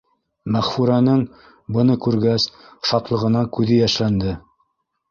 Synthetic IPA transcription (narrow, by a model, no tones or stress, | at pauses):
mæχfuɾɑnɤɴ | bɤ̆nɤkʉɾɡæs | ʃɑt̪lˠɤ̆ʁɤ̆nɑŋkʉðɘjæʃlænd̪ɘ